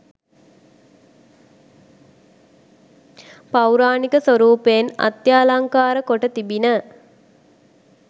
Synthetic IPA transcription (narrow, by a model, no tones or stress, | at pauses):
pawɾaːnikəsʋəɾuːpeːna̰t̪jaːlaŋkaːɾəkoʈət̪ibinə